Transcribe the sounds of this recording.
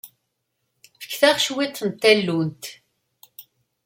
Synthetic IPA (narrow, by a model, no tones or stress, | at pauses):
fə̥kːθæʁʃwit̪ˤːənt̪ːælːunt̪